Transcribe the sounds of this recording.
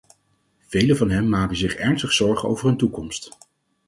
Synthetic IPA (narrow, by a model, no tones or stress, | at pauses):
v̥ejləvɑnɦɛmːaːkənzɪχɛɹnstəχsɔɹχəo̰wvəɹəntukɔmst